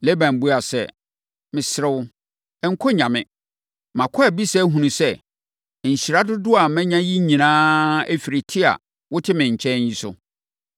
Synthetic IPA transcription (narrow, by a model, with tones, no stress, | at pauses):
le˦bã˨n˨bu˦a˨sɛ̰˨ | mɪ̃˨sɪ˨ɾɪ˦wʊ˦ | ŋ̩˦kʰɔ˦ɲã˨mɪ̰̃˨ | mã˨kʰɔ˦ɛ˨bi˦sɛ˦ɦũ˨nũ˨sɛ˦˨ | ɲ̩˨ɕi˨ɾa˦dʊ˦dʊ˦a˨mɛ̃˦ɲã˦ji˦ɲĩ˨nãː˦æ˦fi˨ɾɪ˨tʰɪ˦a̰˨ | wʊ˦tʰɪ˦mɪ̃˨ɲ̩˨t͡ɕʰɛ̃˦ji˦sʊ̰˦